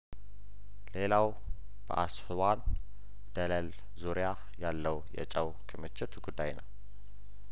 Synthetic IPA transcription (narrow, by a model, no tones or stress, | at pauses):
le̞law | b̥ə̰ʔashɨwan | d̪̥ələl | zuɾja | jalːəwjɛ̰t͡ʃʼəwkʰəmət͡ʃːɛt̪ɡud̪ːajnəw